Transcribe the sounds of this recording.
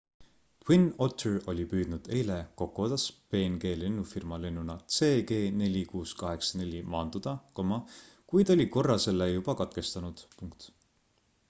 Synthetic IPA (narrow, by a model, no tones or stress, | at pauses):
t̪winot̪ːero̞lʲipyːd̪̥nud̪̥e̞jleko̞kːˑuot̪ːˑɑspe̞ːnɡe̞ːlenːufirmɑlenːunɑt̪se̞ːɡe̞ːne̞lʲikuːskɑɦe̞ksɑne̞lʲimɑːnd̪̥ud̪̥ɑkomːɑ | kujd̪o̞lʲiko̞rːɑse̞lːejub̥ɑkɑt̪ke̞st̪ɑnud̪̥puŋk̚t̪